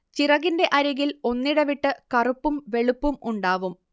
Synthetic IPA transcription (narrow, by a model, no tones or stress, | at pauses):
t͡ɕirɐɣinde̞ʔɐɾɐɣilo̞nːiɽɐʋiʈːɨkɐrupːumʋe̞ɭupːumuɳɖaːʋum